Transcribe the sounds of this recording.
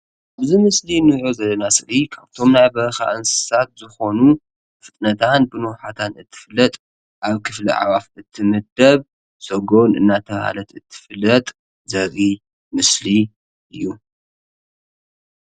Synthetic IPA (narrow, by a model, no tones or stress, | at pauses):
ʔaβzimɨslinɨʕozɐlːɐnasɨɾikʰaβt̪ʰo̞mnajbɐɾxa̰ʔɨnsɨ̥sat̪zɨxo̞nu | fɨt̪ʼnɐt̪ʰanbɨnoħat̪ʰanɨt̪ʰːɨ̥flːɐt̪ʼ | ʔaβkʰɨflḭʕa̰βafɨt̪ʰːɨmɨd̪ɐβ | sɐɡo̞nɨ̰nːat̪ʰɐβha̰lɐt̪ɨt̪ʰːɨ̥fɨlːɐt̪ʼ | zɐβi | mɨsli | ʔɨjːu